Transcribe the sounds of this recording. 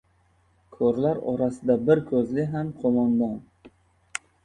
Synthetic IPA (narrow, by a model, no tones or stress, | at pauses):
kʰoɾlaɾɒɾasɪd̪abɪɾkʰɵzlɪɦamqʰomɒnd̪ɒn